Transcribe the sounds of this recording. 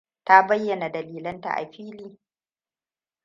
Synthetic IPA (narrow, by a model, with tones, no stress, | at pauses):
ta˦bɐ˦jːɐ˨na˨dɐ˨liː˨lɐ˦nta̰˨ʔa̰˨ɸiː˦liː˦